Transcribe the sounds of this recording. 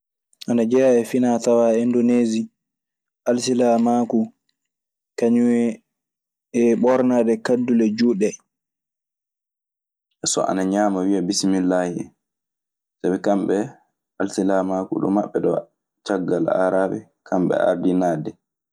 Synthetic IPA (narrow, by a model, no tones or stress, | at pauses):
ʔanad͡ʒɛjaɛfinatawaɛndoneːzi | ʔalsilamaku | kaɲuwɛ | ɛɓɔɾnaːdɛkadːulɛd͡ʒuɗɛ | ʔɛsɔ̰ʔa̰naɲaːmawiabisminlahɛ̰ | sabɛkambɓɛ | alsilamakṵɗɔ̰mːaɓːɛɗɔ̰ | t͡ʃaɡːala̰ɾaɓɛ̰ | kʰamɓɛ̰a̰ɾdinaːdɛ